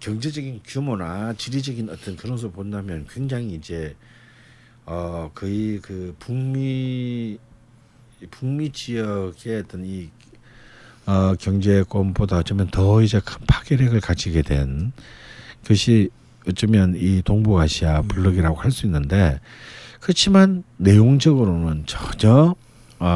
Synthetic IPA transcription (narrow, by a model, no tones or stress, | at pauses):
kjʌŋd͡ʑe̞d͡ʑʌɡinkjumonat͡ɕiɾid͡ʑʌɡinʌt͈ʌnkɯɾʌns̬ʰopondamjʌnkwe̞ŋd͡ʑaŋiːd͡ʑe̞ | ʌkɯikɯpuŋmi | puŋmit͡ɕijʌɡe̞ʌt͈ʌni | ʌkjʌŋd͡ʑe̞k͈ombodaʌt͡ɕ͈ʌmjʌntʌid͡ʑe̞kʰɯnpʰḁk͈eɾjeɡɯɭkad͡ʑiɡe̞dwe̞̰n | kɯɕʰi | ʌt͡ɕ͈ʌmjʌnitoŋbuɡaɕʰijapuɭːʌɡiɾaɡohaɭs͈uinːɯnde̞ | kɯɯt͡ɕʰimanːe̞joŋd͡ʑʌɡɯɾonɯnt͡ɕʌɲʌ